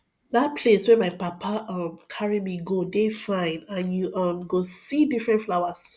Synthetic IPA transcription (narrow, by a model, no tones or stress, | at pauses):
ðat̚pʰleswɛmaɪpapʰaʌ̃mkʰaɹimiɡodefãɪ̃nãnjuʔʌ̃mɡosidifɹɛ̃ntflaʊas